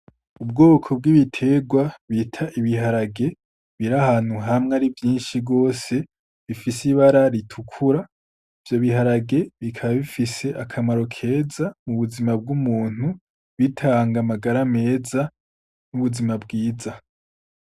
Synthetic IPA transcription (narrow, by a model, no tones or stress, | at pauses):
ub̚ɡoːkʰo̞bɡiβitʰe̞ɡwaβitʰaʔiβiɦaɾaɡe̞ | βiɾahaːn̥huɦamŋeaɾivjiːnʃiɡo̞ːse̞ | βifisiβaɾaɾitʰukʰuɾa | ivjo̞βihaɾaɡe̞βikʰaβaβifise̞ʔakʰamaɾo̞kʰe̞ːzamuβuzimab̚ɡumuːn̥hu | βitʰaːŋɡamaɡaɾame̞ːza | nuβuzimabɡiːza